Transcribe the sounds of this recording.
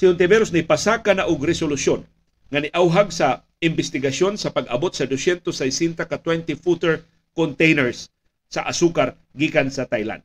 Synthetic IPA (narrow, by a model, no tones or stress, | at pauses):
sɪʊnt̪ɛbɛɾos̬nɪpasakanaʔʊɡɾɪsolʊsjon | ŋɐnɪʔawɦaɡsɐ | ɪmbɪst̪ɪɡɐsjonsɐpɐɡɐbot̪̚sɐd̪osjɛnt̪osajsɛnt̪akat̪wɛnt̪ifut̪ɛɹ | kont̪ejnɛɹsː | ɐʔasukaɾ | ɡiːkansɐt̪ajla̰nd̪̚